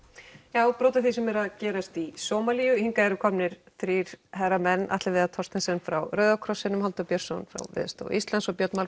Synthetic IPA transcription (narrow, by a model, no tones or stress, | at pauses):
jaːwpɾoːwt̪aθis̬ɛmɛɾaðcɛːɾast̪isoːmaliːjʏhiŋkaɛɾʏkʰɔmnɪɾ̥θɾiːɾ̥haɾamɛnːa̰ht̪lɪvɪðat̪ʰɔrst̪ɪnsɛnfɾawɾœːɥðawkʰɾɔsːɪnʏmhalt̪ʏpjœɾ̥sonfɾa̰wvɪ̰ːðst̪o̰ːwʔist̪lansɔpjœt̪nmal